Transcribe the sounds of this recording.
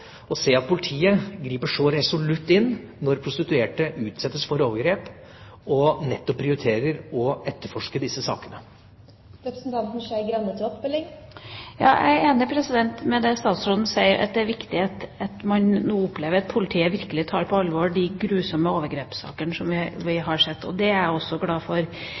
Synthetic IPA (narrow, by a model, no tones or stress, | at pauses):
ɔseːɑt̪̚pʰʊlɪt̪ʰiːəɡɾiːpəʂɔɾɛsʊlʉt̪ːɪnːnɔɾpʰɾʊst̪ɪt̪ʉeːʈəʔʉːt̪sɛt̪ːəsfɔɾoːʋəɾɡɾeːp | ɔnɛt̪ːɔpʰːɾɪʊɾɪt̪ʰeːɾəɾɔɛt̪ːəfɔʂkəd̪ɪsːəsɑ̰ːkənə | ɾɛpɾəsn̩t̪ʰɑnt̪n̩ʂæɪɡɾɑnːət̪ʰɪɔpbɪlːɪŋjɑ̰ːʔæ̰ɪeːnəpʰɾɛsɪd̪ɛnt̪mɛd̪ɛst̪ɑːt̪sɾoːd̪n̩sæɪəɾʔɑ̰t̪̚d̪ɛæːɾʋɪkt̪ɪɑt̪ɑt̪mɑnnuːʊpːleːʋəɾɑt̪̚pʰʊlɪt̪ʰiːəʋɪɾkəlɪt̪ʰɑːɾpʰɔɑlːʋoːɖɪɡɾʉːsɔmːəoːʋəɾɡɾeːpsɑ̰ːkənəsɔmʋɪʋɪɦɑʂɛt̪ːɔ̰d̪ɛæɾɔsːɔɡlɑːfɔɾ